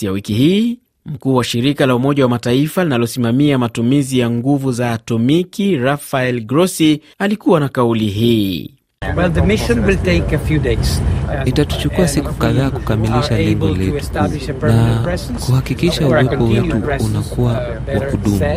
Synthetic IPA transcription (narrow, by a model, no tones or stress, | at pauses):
jawikihiː | m̩kuːwaʃiɾikalaumɔʄawamataifalinalɔsimamiamatumizijaŋɡuvuzaːtɔmikiɾafaɛlɡɾɔsi | alikuwanakauliɦiː | wɛlðəmɪʃə̃nwɪlˠteɪkəfjudeznitatu̥t͡ʃukuasikukaðaːku̥kamiliʃalɛŋɡɔlɛu̥tna | kuhakikiʃauwɛpɔwɛtuunakuwa | wakuɗumu